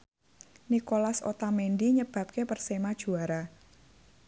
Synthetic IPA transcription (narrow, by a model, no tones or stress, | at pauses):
nikolaso̰t̪amendiɲəb̥a̤p̚kepərsemad̥ʒ̥ṳaɾa